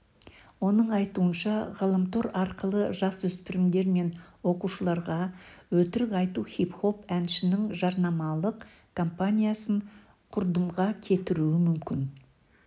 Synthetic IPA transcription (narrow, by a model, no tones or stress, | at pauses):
wo̞nəɴɑjt̪uənʃɑʁɑlˠəmt̪o̞ɾɑɾqəlˠəʒɑswɵspɪɾɪmd̪e̞ɾme̞nwo̞quʃəlˠɑɾʁɑwɵt̪ɪɾɪkɑjt̪uχipχo̞pænʃɪnɪŋʒɑɾnɑmɑlˠəq | kʰo̞mpanʲijasəɴ | qʰʊɾd̪əmʁɑkʲʰe̞t̪ɪɾuɪmʏmkʲɪn